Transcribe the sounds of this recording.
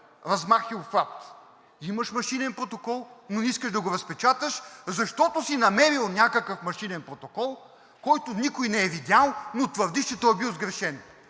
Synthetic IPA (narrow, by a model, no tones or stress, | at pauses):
ɾɐzmaxilˠfak̚t̪ | iməʃmɐʃinɛnpɾot̪okɔlˠnoiskəʃd̪ɐɡoɾɐspɛt͡ʃat̪əʃzɐʃt̪ɔt̪osinɐmɛɾilˠnʲjakəkəfmɐʃinɛnpɾot̪okɔlˠ | kɔjt̪onikojnɛɛvid̪ʲjalˠnot̪vəɾd̪iʃt͡ʃɛt̪ɔjbilˠzɡɾɛʃɛn